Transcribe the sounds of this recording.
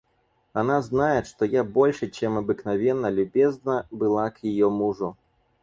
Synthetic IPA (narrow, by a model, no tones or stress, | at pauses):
anaznajɛʂt̪ɔjabɔlʲʂɨt͡ʃɛmɐbɨknavʲɛnːɐlʲubʲɛznɐbɨlˠakjajɔmuʐu